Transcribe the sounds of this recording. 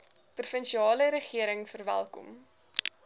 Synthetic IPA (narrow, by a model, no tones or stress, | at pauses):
prufənʃiɑːləɾəχiəɾəŋfərvæ̰lˠkɔ̰m